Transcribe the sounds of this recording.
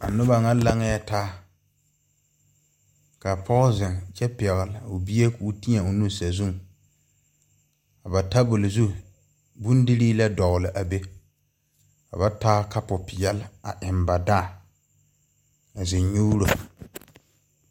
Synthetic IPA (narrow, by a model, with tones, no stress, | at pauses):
a˨nʊ˦ba˨ŋa˦la˦ŋa˦ja˦taː˦ | ka˨pʰɔ˦zɪ˨ŋt͡ʃɛ˦pɛ˨ɣɪ˨lɪ˨ʊ˨bi˦je˦kuː˨˦ti˦ɲa˨ʊ˨nu˦˨sa˨zu˦ŋ | ka˨ba˨ta˦bʊ˨lɪ˨zu˦ | bu˦n˦dɪ˦ɾiː˦la˦dɔ˨ɣlɪ˨ʔa˨be˦ | ka̰˨ba˦taː˦ka˦pʊ˨pɪ˨jɛ˦lɪ˦a˨ʔɪ˨mba˨da˦˨ | a˨zɪ˨ɲɲu˦ɾo˨